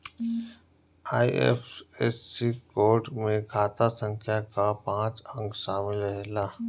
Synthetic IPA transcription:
aːiḛfeːsːikoːɾʈmẽkʰaːt̪asə̃ŋkʰjakapãːt͡ʃə̃ŋɡʃaːmɪləɦɛlaː

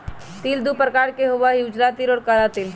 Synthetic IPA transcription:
t̪ild̪upɾkaːɾkeɦoʋajud͡ʒɾat̪iɾɔːɾkaɾat̪il

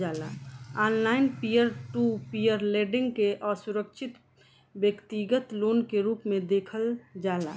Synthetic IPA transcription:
aːla̰aːnlaːɪnpijəɾʈupijəɾleːɖɪ̃ŋɡkeʔɔːɾsuɾəkʃʰɪt̪ | wjəkt̪iɡət̪loːnkeɾuːpmẽd̪eːkʰəld͡ʒaːla̰ː

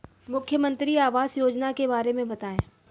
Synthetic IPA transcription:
mʊkʰjəmə̃nt̪ɾiaːʋaːzjoːd͡ʒnakebaːɾemẽbɐt̪aːẽː

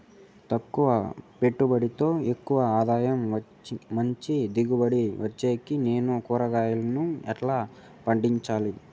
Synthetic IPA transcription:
t̪ɐkːuʋɐpeʈːubɐɽit̪o̞ːe̞kːuʋɐaːd̪aːjɐm | mɐɲt͡ʃid̪iɡubɐɽiʋɐt͡ʃːeːkine̞ːnukuːɾɐɡaːjulɐnuɛʈlaː | pɐɳɖiɲt͡ʃaːli

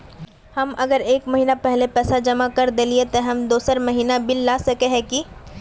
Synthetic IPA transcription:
hɐmɐɡəɾeːkmɐɦiːnapɛɦlepɛːsad͡ʒɐmakɐɾd̪eːliet̪eɦɐmd̪oːsəɾmɐɦiːnabɪlːaːsɐkeɦɛ̃ki

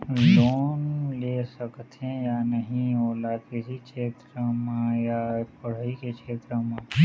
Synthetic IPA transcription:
loːnleːsəkt̪ẽjanɐɦĩoːlakɪsikeːt̪ɾəmãjapəɽ̤ikekt͡ʃʰeːt̪ɾəmã

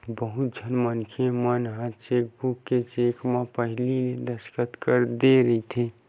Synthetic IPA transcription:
bəɦʊt̪̚d͡ʒʱənmənkʰemənɦãt͡ʃeːk̚bukːet͡ʃeːkmãpəɦlinẽd̪əskət̪kəɾd̪eɾəit̪ʰe

